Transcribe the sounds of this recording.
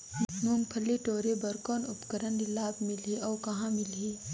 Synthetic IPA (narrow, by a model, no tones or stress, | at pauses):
mʊŋɡpʰəlːiʈoːɾebəɾkɔːnʊpkəɾənd̪ɪlːaːbmɪliɔːkɐɦãmɪlɦiː